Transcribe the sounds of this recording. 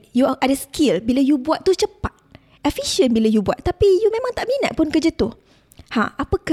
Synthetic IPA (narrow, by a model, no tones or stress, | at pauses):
juʔadəskʰilbilajubuat̪̚t̪ut͡ʃəpat̪̚ | ɛfiʃiənbilajubua̰t̪ːapijumẽmãŋt̪aʔmĩnəʔ̪̚pʊnkərd͡ʒat̪uh | hã̰ʔapəka